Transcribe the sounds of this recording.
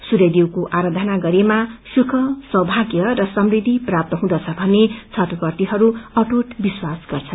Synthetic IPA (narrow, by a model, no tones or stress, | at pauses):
suɾed̪iwkoʔaɾad̪ʱʌnaɡʌɾemasukʰʌsʌwbʱaɡjʌrʌsʌmrid̪ʱiprap̚t̪ʌɦũd̪ʌt͡sʰʌbʱʌnːet͡sʰʌt̪upʌrt̪iɦʌɾuʌʈuʈbiswasɡ̥ʌrt͡sʰʌn